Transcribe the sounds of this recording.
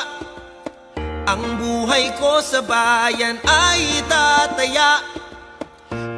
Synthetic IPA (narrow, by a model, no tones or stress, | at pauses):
ʔɐŋbuːɦɐjkosɐbaːjɐnajt̪at̪ɐjaʔ